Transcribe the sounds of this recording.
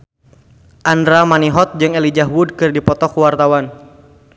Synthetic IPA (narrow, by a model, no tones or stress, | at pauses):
ʔandɾamaniɦɔt̪̚d͡ʒɨŋelid͡ʒaɦwud̚kɨrdipɔt̪ɔkuwart̪awan